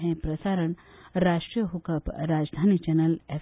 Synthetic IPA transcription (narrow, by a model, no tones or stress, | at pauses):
ɦẽpɾɐsaɾəɳɾaːʃʈɾijəɦukəpɾaːd͡ʒd̪ʱaːnit͡ʃɛnəle